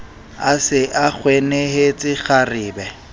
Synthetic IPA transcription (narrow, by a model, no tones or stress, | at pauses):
asɪʔak͡xʰwenehet͡sʼɪχarɪːbɛ